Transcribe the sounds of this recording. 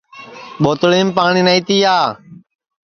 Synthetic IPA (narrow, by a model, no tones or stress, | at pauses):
ɓoːt̪ɭeːmpaːɳiːnaiːt̪iːaː